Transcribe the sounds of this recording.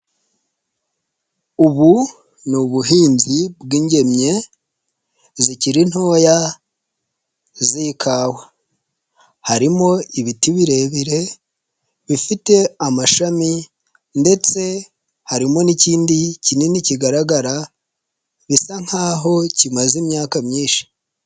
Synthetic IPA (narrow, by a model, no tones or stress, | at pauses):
uβu | nuβuɦiːnzibɡiːɲɟe̞mɲe̞ | ziciɾin̥ho̞ːja | zikʰaːwa | haɾimo̞iβitiβiɾe̞βiɾe̞ | βifite̞amaʃami | nde̞t͡se̞ | haɾimo̞niciːndicineniciɡaɾaɡaɾa | βisaŋ̥haːɦo̞cimazimɲaːkamɲiːnʃi̥